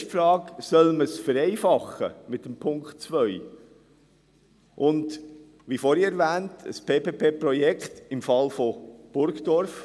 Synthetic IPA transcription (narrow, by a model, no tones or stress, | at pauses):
ʃfɾɑːksœlməsfəɾɛɪfɑχə̰mɪtːəmpʰʊŋkχtt͡sʋœʏ | ʔʊnd | ʋifoːɾiɛɾvæːntʰə̰spʰeːpʰeːpʰeːpɾɔjɛkχtɪmfɑlfob̥ʊɾkdɔɾf